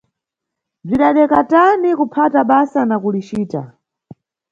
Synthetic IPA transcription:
b͡ʐiɗaɗɛkatanikupʰataɓasanakulit͡ʃiːta̰

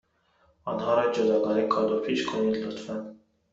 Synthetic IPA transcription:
ɑ̰nhɑːɾɑd͡ʒud̪ɑɡɑɾikʰɑd̪opʰiʃkʰunid̪lut̪ʰfæn

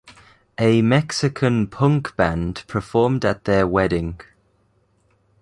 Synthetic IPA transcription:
ʔəmɛksɪkʰə̃npʰʊ̃ŋkb̥ãnd̥pʰəfɔːmdəʔðəwɛdɪ̃ŋ

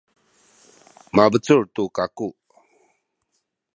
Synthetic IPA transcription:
mabət͡suɹt̪ukaku

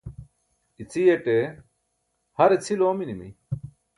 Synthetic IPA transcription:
it͡sʰijeʈe | hɐɾet͡sʰiloːminimḭ

